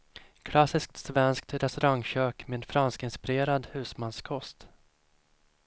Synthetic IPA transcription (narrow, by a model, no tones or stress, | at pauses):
kʰlasɪsk̚t̪svɛnskt̪ɾɛst̪ɵɾaŋɕøːkmeːnfɾanskɪnspɪɾeːɾad̪hʉ̟ːsmanskʰɔst̪